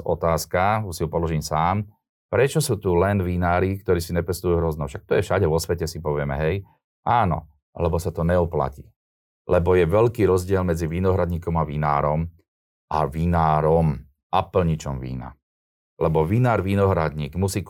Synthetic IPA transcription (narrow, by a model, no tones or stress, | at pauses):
ɔt̪aːskausiupɔlɔʒiɲsaːm | pɾɛt͡ʃɔsuːt̪ulɛnʋinaːɾik̚t̪ɔɾiːsiɲɛpɛst̪ujuɦɾɔznɛʊfʃak̚t̪ɔjɛfʃaɟɛʋɔsʋɛcɛsipɔʋɪɛmɛ̰ɦɛj | ʔaːnɔ̰ | lɛbɔsat̪ɔɲɛɔpla̰cḭː | lɛbɔjɛʋɛʎkiːɾɔzɟɪɛlmɛd͡ziʋinɔɦɾad̪ɲiːkɔmaʋina̰ːɾɔm | ʔa̰ʋinaːɾɔm | apl̩ɲit͡ʃɔmʋḭːna̰ | lɛbɔʋinaːɾʋinɔɦɾa̰d̪ɲiːɡmusiːk